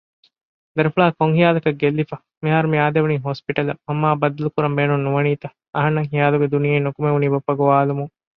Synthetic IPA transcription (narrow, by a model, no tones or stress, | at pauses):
d̪ɐɾɐfuɭaːkoŋɦijaːlɐkɐɡelːifɐ | miɦaːɾumiaːd̪eʋɐniːɦoːspiʈɐlɐmɐmːaːbɐd̪ːɐlukuɾɐmbeːnunːuʋɐniːt̪ɐ | ɐɦɐnːɐŋɦijaːluɡed̪unijeinːokumeʋuniːbɐpːɐɡoʋaːlumuŋ